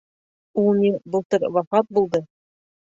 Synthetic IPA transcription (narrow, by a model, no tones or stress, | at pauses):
ulˠnʲibɤ̆lˠt̪ɤɾwɑfɑt̪̚bulˠd̪ɤ